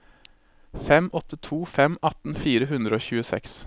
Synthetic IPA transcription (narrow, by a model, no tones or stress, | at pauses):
fɛmʔɔt̪ʰət̪ʰuːfɛmɑt̪n̩fiːɾəɦʉnd̪ɾəoːçʉːəsɛ̰ks